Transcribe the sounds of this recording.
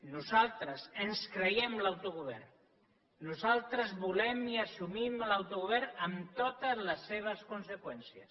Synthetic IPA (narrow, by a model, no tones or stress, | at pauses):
nuzalˠt̪ɾəsenskɾejɛmlawt̪uɣuβɛrnː | uzalˠt̪ɾəzβulɛmiasumimlawt̪uɣuβ̞ɛɾnəmt̪ot̪əzləsːeβ̞əskunsekwɛnsiəs